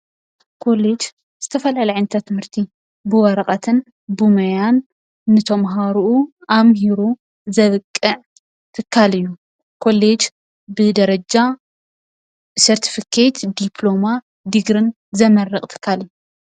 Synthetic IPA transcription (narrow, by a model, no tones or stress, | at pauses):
kʰo̞led͡ʒ | z̥ɨt̪ʰɐfɐlalɐʕɨnt̪ʰat̪ʰɨmhɨɾt̪ʰi | bɨwɐɾɐχʼɐt̪ʰɨn | bumɐjanː | ɨt̪ʰɐmɦaɾuʔuamhiɾu | zɐβɨkʼːɨʕ | t̪ʰɨkʰːalɨjːu | kʰo̞led͡ʒ | bɨd̪ɐɾɐd͡ʒa | sɐɾt̪ʰi̥fikʰet̪d̪ipʰlo̞ma | d̪ɨɡɾɨn | zɐmɐrːɨχʼt̪ʰɨ̥kʰːalɨjːu